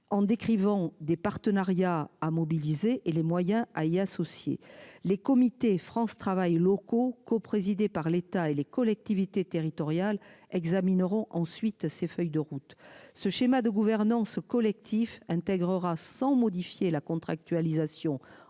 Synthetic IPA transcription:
ɑ̃d̪ekχivɑ̃d̪epaʁt̪ənaʁjaamɔbilizeʔelemwajɛ̃aiasɔsjḛlekɔmit̪efχɑ̃st̪χavajlɔkokɔpχezid̪epaʁlet̪aelekɔlɛk̚t̪ivit̪et̪eʁit̪ɔʁjalɛɡzaminəʁɔ̃ʔɑ̃sɥit̪sefœjd̪əʁut̪səʃemad̪əɡuvɛʁnɑ̃skɔlɛk̚t̪ʰifɛ̃t̪ɛɡʁəʁasɑ̃mɔd̪ifjelakɔ̃t̪χa̰k̚t̪ɥalizasjɔ̃

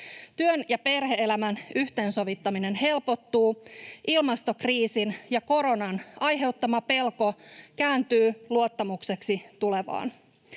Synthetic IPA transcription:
t̪yønjɑpe̞rheelæmænyht̪e̞nso̞ʋit̪ːɑmine̞nhe̞lpo̞t̪ːuːʔilmɑst̪o̞kriːsinjɑko̞ɾo̞nɑnɑjɦe̞wt̪ːɑmɑpe̞lko̞kæːnt̪yːluo̞t̪ːɑmukse̞ksit̪ule̞ʋɑ̰ːn

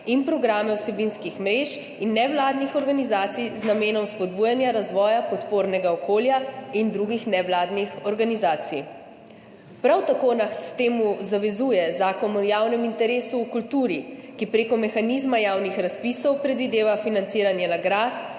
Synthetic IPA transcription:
inpɾɔɡɾaːmɛwsɛbinskixmɾeːʃ | inːɛʋlaːd̪nixɔɾɡanizaːt̪sijznameːnɔwspɔd̪buːjanjaɾazʋɔːjapɔt̪poːɾnɛɡaɔkoːljaind̪ɾuɡixnɛʋlaːd̪nixɔɾɡanizaːt̪sij | pɾawt̪akoːnaxt̪t̪eːmuzaʋɛzuːjɛzaːkɔnɔjaːwnɛmint̪ɛɾeːsuːkult̪uːɾikipɾeːkɔmɛxaniːzmajaːwnixɾaspisɔwpɾɛd̪ʋid̪eːʋafinant̪siːɾanjɛnaɡɾat̪

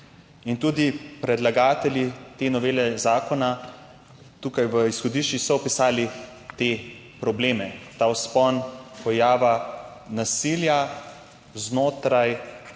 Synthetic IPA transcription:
int̪uːd̪ipɾɛd̪laɡaːt̪ɛlʲit̪enɔʋeːlɛzaːkɔna | t̪ukajʋəisxɔd̪iʃt͡ʃisɔɔpisaːli | t̪eː | pɾɔbleːmɛt̪aːwspɔnpɔjaːʋanasilja | znoːt̪ɾaj

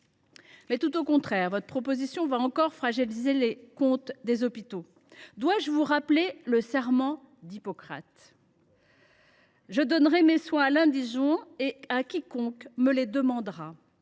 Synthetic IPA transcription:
mɛt̪ut̪okɔ̃t̪χɛːʁvɔt̪χəpχɔpozisjɔ̃vaɑ̃kɔʁfχaʒilizelekɔ̃t̪d̪ezɔpit̪o | d̪waʒəvuʁapleləsɛʁmɑ̃ | d̪ipɔkχa̰t̪ | ʒəd̪ɔnʁɛmeswɛ̃alɛ̃d̪iʒwɛ̃eakʲikɔ̃kməled̪əmɑ̃d̪ʁa

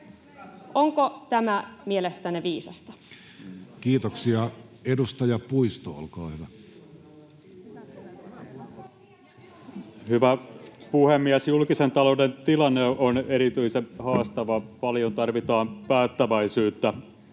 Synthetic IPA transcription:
ʔoŋkot̪æmæmielest̪æneʋiːsɑst̪ɑ̥ | kiːt̪oksiɑedust̪ɑjɑpuist̪o̰o̰lkɑːhyʋæ | hyʋæpuhemːiæsjulkisent̪ɑlo̞udent̪ilɑnːeoneɾit̪yisemhɑːst̪ɑʋɑpɑljont̪ɑrʋit̪ɑːmpæːt̪ːæʋæisyːt̪ːæ

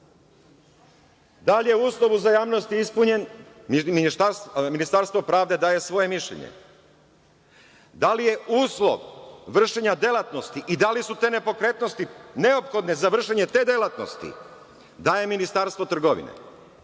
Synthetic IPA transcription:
d̪alje̞uːslˠo̞ʋuzajaːʋnost̪iispuɲe̞n | miniaminist̪aɾst̪ʋo̞pɾaːʋd̪e̞d̪aːje̞sʋo̞je̞miʃʎḛɲḛ | d̪alije̞ʔuːslˠo̰ʋʋr̩ʃeɲad̪e̞lˠat̪no̞st̪iʔid̪alisut̪e̞ːne̞po̞kɾe̞t̪no̞st̪ine̞o̞pxo̞d̪nezaʋr̩ʃeɲet̪e̞ːd̪e̞lˠat̪no̰st̪ḭ | d̪aːjeminist̪aɾst̪ʋo̞t̪r̩ɡo̞ʋḭnḛ

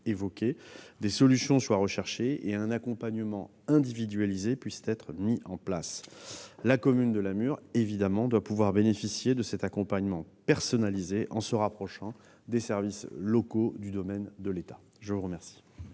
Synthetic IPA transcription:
evɔkʲed̪esɔlysjɔ̃swaʁəʃɛʁʃeeɛ̃nakɔ̃paɲəmɑ̃ | ɛ̃d̪ivid̪ɥalizepɥist̪ɛt̪χmiʔɑ̃plas | lakɔmynd̪əlamyʁevid̪amɑ̃d̪wapuvwaʁbenefisjed̪əsɛt̪akɔ̃paɲmɑ̃pɛʁsɔnalizeʔɑ̃səʁapχɔʃɑ̃ | d̪esɛʁvislɔkod̪yd̪ɔmɛnd̪əlet̪ḁ | ʒəvuʁəmɛʁsi̥

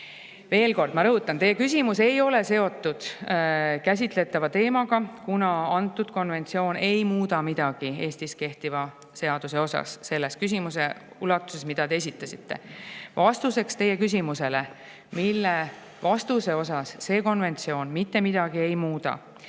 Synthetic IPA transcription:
ve̞ːlko̞rd̪̥mɑɾɤɦut̪ːˑɑnt̪e̞jːe̞kys̬ʲimuse̞jo̞le̞se̞o̞t̪ːˑud̪̥ | kæs̬ʲit̪ˑle̞t̪ːˑɑvɑt̪e̞ːmɑɡ̥ɑkunɑɑnt̪ːˑud̪̥̚ko̞nve̞nt̪sio̞ːne̞jmuːd̪ɑmid̪̥ɑɡ̥ie̞ːsʲt̪iske̞ht̪ivɑ | se̞ɑd̪̥use̞o̞sɑ̰sse̞lːe̞skys̬ʲimus̬e̞ | ulɑt̪ːˑu̥se̞smid̪̥ɑt̪ees̬ʲit̪ːˑɑsit̪ːe̞̰vɑst̪use̞kst̪e̞jːe̞kysʲimuse̞le̞ | milːe̞ | vɑst̪use̞o̞s̬ɑsːe̞ːko̞nve̞nt̪sio̞ːnmit̪ːe̞mid̪̥ɑɡ̥ie̞jmuːd̪ɑ̰

